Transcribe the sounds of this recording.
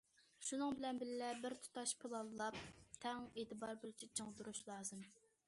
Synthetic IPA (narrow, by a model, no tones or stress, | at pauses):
ʃunɨŋbɪlɛnbɪlɪlɛbɪɾt̪ʰu̥t̪ɑʃpʰɨlˠɑlˠlˠɑp̚t̪ʰɛŋet̪ɨbɑɾbolˠt͡ʃʰit͡ʃʰəŋd̪uɾuʃlˠɑːzɨm